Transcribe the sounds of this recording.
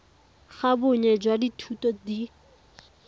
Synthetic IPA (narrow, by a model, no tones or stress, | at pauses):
χabʊɲɛd͡ʒwaditʰutɔdi